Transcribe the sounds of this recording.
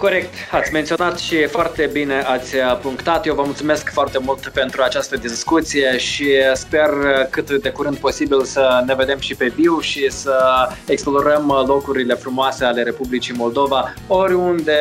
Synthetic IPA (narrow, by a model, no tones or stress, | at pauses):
ko̞ɾe̞k̚t̪at̪sʲment̪sio̞nat̪ʃifoart̪e̞bine̞ʔat̪sʲəpuŋkt̪at̪jewvəmult̪sume̞skfoart̪e̞mult̪pe̞nt̪ɾuat͡ʃast̪əd̪iskut̪sije̞ʃispe̞rkɨt̪d̪e̞kuɾɨnd̪̚po̞sibilsəne̞ve̞d̪e̞mʃipe̞biwʃisəeksplo̞ɾəmlo̞kɾuɾile̞fɾumoase̞ale̞ɾe̞publit͡ʃimo̞ld̪ova | o̞ɾʲund̪e̞